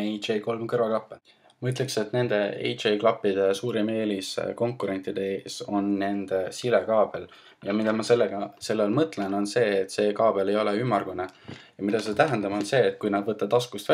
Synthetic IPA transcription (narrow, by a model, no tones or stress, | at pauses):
ejt̪t͡ʃejko̞lmkɤrvɑklɑpːe | mɤt̪ːˑlekse̞t̪ne̞nd̪̥e̞ḛjt̪t͡ʃejklɑpːid̪̥e̞suːɾime̞ːliskoŋkːuɾe̞nʲt̪ːˑid̪̥e̞e̞ːso̞nːe̞nd̪̥esilekɑːb̥e̞l | jɑmid̪̥ɑmɑse̞lːeɡ̥ɑse̞lːelmɤt̪ˑle̞no̞nse̞ːt̪ːˑse̞ːkɑːb̥e̞le̞jo̞leymːɑrɡ̥unejɑmid̪ɑset̪æɦend̪ɑmo̞nse̞ːt̪̚ːkujnɑd̪vɤt̪ːɑd̪ɑskust̪væ